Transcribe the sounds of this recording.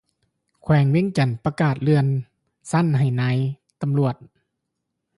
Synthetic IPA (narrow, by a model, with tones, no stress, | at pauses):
kʰwɛː˨˦ŋweː˧˥˨ŋt͡ɕa˨˩npa˧kaː˨˩t̪̚lɯ˧ən | sa˧˥˨nɦa˨˩jnaː˧˥j | t̪a˧˨mlu˨˩ət̪̚